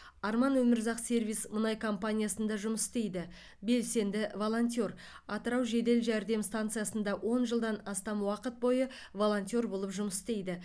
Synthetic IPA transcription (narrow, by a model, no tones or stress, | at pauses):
ɑɾmɑnwɵmɪɾzɑqsʲe̞rvijsmʊnɑjkʰo̞mpanʲijasənd̪ɑʒʊməsɪst̪e̞jd̪ɪ | be̞lse̞nd̪ɪvo̞lˠo̞nt̪ʲio̞ɾ | ɑt̪əɾɑwʒe̞d̪e̞lʒæɾd̪e̞mst̪ant̪sɨjasənd̪ɑwʔo̞nʒəlˠd̪ɑnɑst̪ɑmwɑqət̪̚bo̞jə | vo̞lˠo̞nt̪ʲio̞ɾbo̞lˠəpʒʊməsɪ̥st̪e̞jd̪ɪ